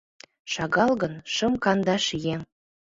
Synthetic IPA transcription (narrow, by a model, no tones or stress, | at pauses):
ʃɑɣɑlɣɤ̆nʃɤ̆mkɑnd̪ɑʃje